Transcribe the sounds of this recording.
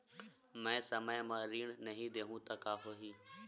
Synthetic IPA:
mɛ̃ːsəməjmãːɾiːɳnəɦĩːd̪eːɦũːt̪aːkaːɦoːɦiː

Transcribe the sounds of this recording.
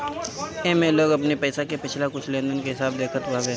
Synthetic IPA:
emẽloːɡɐpnepɛːsakepɪt͡ʃʰlakʊt͡ʃʰlẽːnd̪ənkeɦɪsaːb̚d̪eːkʰət̪ʋaːbẽ

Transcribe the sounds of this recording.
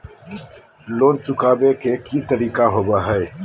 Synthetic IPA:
loːnt͡sukaːbeːkʰeːkiːt̪əɾiːkaːɦoːbaːɦəj

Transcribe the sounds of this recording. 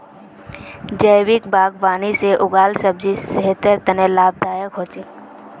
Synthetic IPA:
d͡ʒəjwɪkbaːɡʋaːniseʔʊɡaːlsəbd͡ʒisəɦt̪əɾt̪ənelaːb̚d̪aːjəkɦoːt͡ʃi

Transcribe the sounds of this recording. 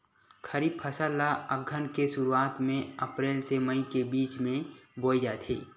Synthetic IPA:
kʰəɾiːb̚pʰɐsəlːaəɡʱənkeʃʊɾuaːt̪mẽɐpɾeːlseməĩkebiːt͡ʃmẽboːid͡ʒaːt̪ʰḛː

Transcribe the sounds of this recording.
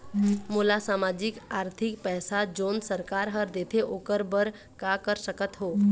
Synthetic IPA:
moːlasaːmaːd͡ʒɪkaːɾt̪ʰɪkpɛːsad͡ʒoːnsəɾkaːɾɦəɾd̪eːt̪ʰeʔoːkəɾbəɾ | kakəɾsəkət̪ɦoː

